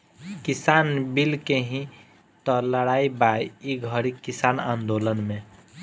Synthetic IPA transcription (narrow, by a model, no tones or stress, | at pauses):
kisanbilkeɦĩ | t̪ɔləɽaibajiɡʱəɾikisanã̰nd̪olənmẽ